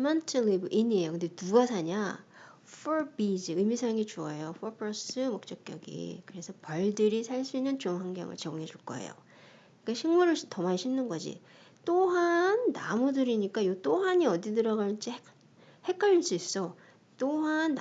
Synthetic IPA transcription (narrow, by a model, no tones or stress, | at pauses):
mʌntʰɯlibɯʔiɲie̞jokɯnde̞nuɡasʰaɲa | fʰoɭbid͡ʑiɯmisʰaŋit͡ɕuʌjoɸopʰɾʌs͈ɯmʌk̚t͡ɕ͈ʌk̚k͈jʌɡḭkɯɾe̞sʰʌpʌɭdɯɾisʰaɭs͈uinːɯnt͡ɕoŋɦaŋɡjʌ̰ŋɯ̰ɭt͡ɕʌɡoŋɦed͡ʑuɭk͈ʌ̰ɦḛjo̰ | ik͈aɕʰiŋmuɾɯɭtʌmaɕʰimnɯnɡʌd͡ʑḭ | t͈oɦanːamudɯɾiɲik͈ajot͈oɦaɲiʌdidɯɾaɡant͡ɕ͈i | he̞k͈aʎiɭs͈uis͈ʌ | t͈oɦanː